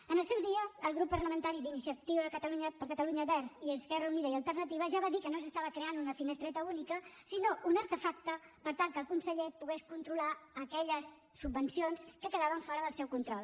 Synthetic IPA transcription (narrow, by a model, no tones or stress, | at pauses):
ənəlˠsɛwðiəːlˠɣɾupːərləmənt̪aɾid̪inisiət̪iðəkət̪əluɲəpəɾkət̪əluɲəβɛɾziəskɛrəuniðəiəlˠt̪ərnət̪iβ̞əʒaβaðikənos̬əst̪aβ̞əkɾeanunəfinəst̪ɾɛt̪əunikəsinoʔunəɾt̪əfak̚t̪əpəɾt̪alˠkəlˠkunsəʎepuɣeskunt̪ɾulaəkɛʎəsː | ubbənsionskəkəðaβ̞əɱfɔɾəðəlˠsɛwkunt̪ɾɔlˠ